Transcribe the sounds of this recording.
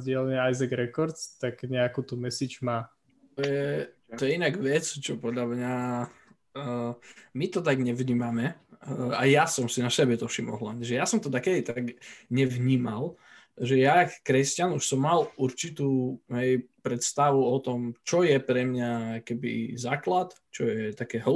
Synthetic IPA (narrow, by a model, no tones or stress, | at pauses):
zɟɪɛlɛɲɛajzɛɡɾɛkɔɾt̪st̪aɡɲɛakut̪umɛsit͡ʃmaː | t̪ɔjɛt̪ɔjɛinaɡʋɛt͡st͡ʃɔpɔd̪ʎamɲa | mit̪ɔt̪aɡɲɛʋɲiːmamɛ | ajjasɔmsinasɛbɛt̪ɔfʃimɔ̰ɦla̰ɲɛʒɛjasɔmt̪ɔd̪akɛd̪it̪aɡɲɛʋɲiːmal | ʒɛjakkɾɛscanuʃsɔmːaluɾt͡ʃit̪uːɦɛjpɾɛt̪st̪aʋuɔt̪ɔmt͡ʃɔjɛpɾɛmɲakɛbḭzaːklat̪t͡ʃɔjɛt̪akɛːɦl